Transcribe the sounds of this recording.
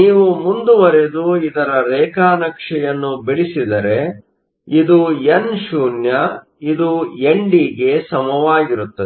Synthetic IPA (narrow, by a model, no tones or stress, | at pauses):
niːʋumund̪uʋɐɾed̪uid̪ɐɾɐɾɛːkaːnɐkʂɛjɐnːubiɭisid̪ɐɾe̞ | id̪uenʃuːnjɐ | id̪ueɳɖiɡe̞sɐmɐʋaːɡiɾut̪ːɐe